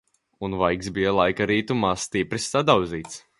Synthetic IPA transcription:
unvajksbijalˠajkaɾiːt̪umaːst̪ipɾisːad̪awziːt̪s

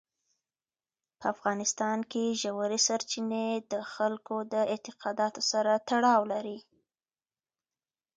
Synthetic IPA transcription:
pəafɣɑnɪst̪ɑnkeʒawaɾisaɾt͡ʃined̪əxalkod̪əɪt̪ɪqɑd̪ɑt̪osaɾat̪aɽɑwlaɾi

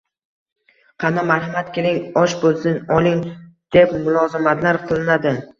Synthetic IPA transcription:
qʰɑnamaɾhɪmat̪kʲʰelɪŋɒʃbolˠsɪnɒlˠɪŋd̪̥epmʊlˠɒzɪmat̪laɾqʰɨlˠɪnad̪ɪ

